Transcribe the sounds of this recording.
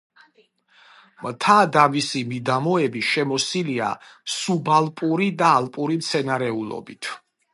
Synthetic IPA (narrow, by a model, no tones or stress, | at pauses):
mt̪ʰad̪avisimid̪amɔɛbiʃɛmɔsilia̰subalˠpʼuɾid̪aːlˠpʼuɾimt̪sʰɛnaɾɛulˠɔ̰bit̪ʰ